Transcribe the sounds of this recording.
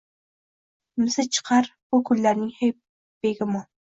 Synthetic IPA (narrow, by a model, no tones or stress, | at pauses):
mɪsɪt͡ʃʰɨ̥qʰɑɾb̥ʊkʰʊlːæɾnɪŋhej | b̥eɡʲɪmʊ